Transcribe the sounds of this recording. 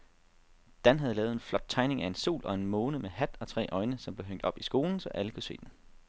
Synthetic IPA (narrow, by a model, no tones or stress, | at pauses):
d̥ænɦæð̞̩ˠlɛːʊð̩ˠenflɒ̽d̥̚t͡sʰɑ̈ɪne̝ŋæe̝nsu̝̰ːlʔɒ̽e̝nmɔ̽ːnəmeɦæd̥ɒ̽t͡sʰʁɛ̰ːʔɒ̽ɪnəsɒ̽mb̥le̝ɦøŋ̰d̥ɒ̽b̥isɡ̥o̝ːln̩sɒ̽ʔæləkʰuse̝̰ːd̥en